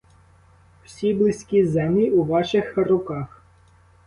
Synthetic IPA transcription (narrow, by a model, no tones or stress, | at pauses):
w̥sʲiblˠɪsʲkʲizɛmlʲiuʋɑʃɪxrʊkɑx